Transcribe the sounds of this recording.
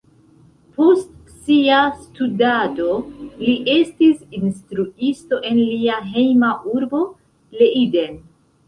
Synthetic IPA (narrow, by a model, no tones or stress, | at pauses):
po̞st | siastudado̞liʔe̞stisinstɾuisto̞ʔe̞nliaɦe̞jmaʔuɾbo̞ | le̞iden